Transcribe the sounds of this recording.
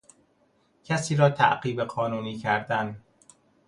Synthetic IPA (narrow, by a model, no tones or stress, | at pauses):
cʰæsiːɾɒːt̪ʰæ̰ʔɢiːbeɢɒːnuːniːcʰæɾd̪æn